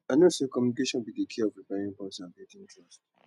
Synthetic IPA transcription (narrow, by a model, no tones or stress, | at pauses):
anosekɔmjunikeʃɔ̃nbidekʰeɔvɹipɛĩŋpɔ̃sabẽtĩntʰɹɔst̚